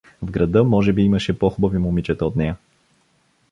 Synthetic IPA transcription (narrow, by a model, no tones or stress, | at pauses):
vɡɾɐd̪ɤmɔʒɛbiimɐʃɛpoxubɐvimʊmit͡ʃɛt̪əot̪nɛjə